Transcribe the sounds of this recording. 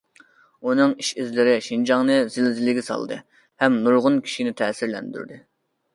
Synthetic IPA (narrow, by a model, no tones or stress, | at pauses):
unɨŋiʃizlɪɾɪʃind͡ʒɑŋnɨzɪlzɪlɪɡʲɛsɑ̰lˠɨ̰d̪ɨ̰ | hɛmnuɾʁʊnkʲʰi̥ʃinɪt̪ʰɛːsɪɾlɛ̰nd̪y̰ɾd̪ɨ